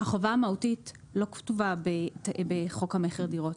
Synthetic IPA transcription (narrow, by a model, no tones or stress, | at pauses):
haχovaamautit | lo̞ktuvabebeχo̞khameχeʁdiʁo̞t